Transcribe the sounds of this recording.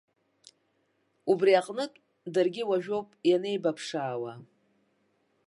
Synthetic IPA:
ubriaqʼnɨtʼ | darɡʲɪwaʒᶣowpʼjane̞jbapʰʂaːwa

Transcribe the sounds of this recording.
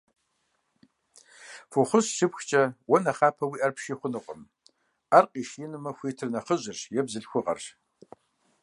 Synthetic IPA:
fʊχʷʊɕʃɨpxt͡ʃʼɐwɔnɐχaːpʰɐwiːʔɐrpʰʃiːχʷʊnɨqʷʼʊm | arqʼiːʃinɨmɐxʷiːtʰɨrnɐχəʑɪrʂjɛbzɨɬxʷʊqʼɐ̰r

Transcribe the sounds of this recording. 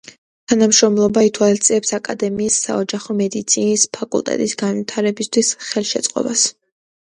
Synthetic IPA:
t̪ʰanamʃɾɔmlˠɔbait̪ʰwalist̪sʼiɛpsakʼad̪ɛmiːsːa̰ɔd͡ʒaχɔmɛd̪it̪sʰinispʰakʼṵlˠt̪ʼɛ̰t̪ʼisɡanwit̪ʰaɾɛbist̪ʰwisχɛlˠʃɛt̪sʼqʼɔ̰bas

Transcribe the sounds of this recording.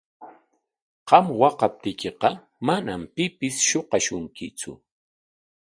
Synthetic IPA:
qɑmwɑqɑp̚t̪ɪjkeqɑ | manampɪpɪsʃoqɑʃʊŋkɪt͡sʊ̰

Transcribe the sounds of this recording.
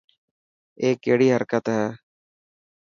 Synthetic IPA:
eːk̚ːeːɽiːɦəɾkət̪ɦɛː

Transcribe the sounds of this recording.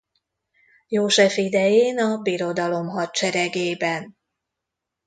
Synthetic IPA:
joːʒɛfid̪ɛjeːnɒbiɾo̞d̪ɒlo̞mɦɒt̪t͡ʃɛɾɛɡeːbɛn

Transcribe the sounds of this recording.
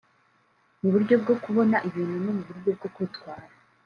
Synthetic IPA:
muβuɾɟo̞b̚ɡo̞kuβo̞naʔiβiːnhunomuβuɾɟo̞b̚ɡo̞kwuːtkwaːɾa

